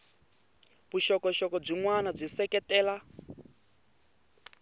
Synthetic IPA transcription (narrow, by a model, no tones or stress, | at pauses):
βuʃɔkɔʃɔkɔb͡ʐiŋwanab͡ʐʷisɛkɛtɛːla